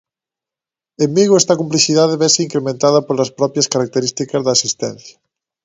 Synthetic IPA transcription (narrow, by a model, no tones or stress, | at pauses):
emːiɣoest̪akumpliθiðaðeβeseiŋkɾemẽnt̪að̞apoɾlaspɾɔpjaskaɾak̚t̪eɾist̪ikazðaːsist̪ɛ̃n̟θjḁ